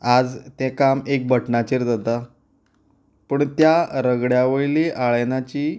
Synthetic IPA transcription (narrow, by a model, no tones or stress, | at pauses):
ad͡zt̪ɛ̃kamek̚bəʈɳat͡ɕeɾd͡zat̪a | pəɳt̪jaɾəɡɽjaʋəjleʔaɭnat͡ɕiː